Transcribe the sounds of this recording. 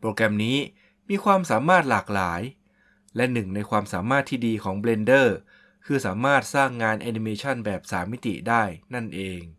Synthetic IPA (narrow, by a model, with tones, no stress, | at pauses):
pɾoː˧kɾɛ˧mniː˦˥ | miː˧kʰwaː˧msaː˩˦maː˥˩t̪̚laː˨˩k̚laː˩˦j | lɛ˦˥nɯ˨˩ŋna˧jkʰwaː˧msaː˩˦maː˥˩t̪ʰːiː˥˩diː˧kʰɔː˩˦ŋbleː˧ndɤː˥˩ | kʰɯː˧saː˩˦maː˥˩t̪̚saː˥˩ŋːaː˧nʔaː˧ni˧meː˧t͡ɕʰa˥˩nbɛː˨˩p̚sa̰ː˩˦mːi˦˥t̪ḭ˨˩daː˥˩jna˥˩nʔeː˧ŋ